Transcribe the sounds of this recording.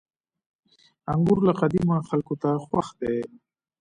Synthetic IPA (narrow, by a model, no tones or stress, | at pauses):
aŋɡʊɾlaqad̪imaxalkot̪axwaxd̪e